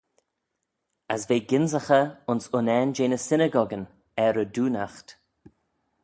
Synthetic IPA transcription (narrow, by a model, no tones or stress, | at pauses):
əsveːɡɪnzəxəʊnsʊnɛːnd͡ʒeːnəsɪnəɡɔɡən | ɛɾəduːnaxt